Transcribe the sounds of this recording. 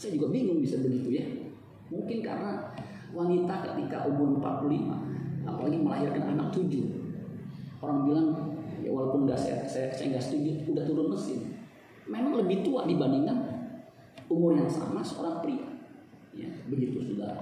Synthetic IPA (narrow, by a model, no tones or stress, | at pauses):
sajad͡ʒuɡabiŋʊŋbisabəɡit̪uja | muŋkɪnka̰ɾəna | wanit̪ahkə̰t̪ika̰ʔumʊrmpa̰t̪̚plulima̰a̰palaɡiməlaɦɪrkanʔa̰nak̚t̪ud͡ʒʊ | oɾaŋbilaŋja̰walapʊnŋɡaʔsa̰ja̰sajasajaŋɡaʔsə̥t̪ud͡ʒʊt̪udaht̪uɾʊnməsɪ̰n | memaŋləbɪht̪ua̰dibandiŋan | umʊrjaŋsa̰masəo̰ɾaŋpɾia | ja̰bəɡit̪usuda̰